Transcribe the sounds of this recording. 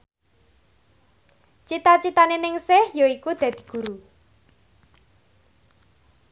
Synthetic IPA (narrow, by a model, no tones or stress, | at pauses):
t͡ʃit̪at͡ʃit̪anenɪŋsɪhjoikud̪̥ä̤d̪̥i̤̥ɡ̥ṳɾu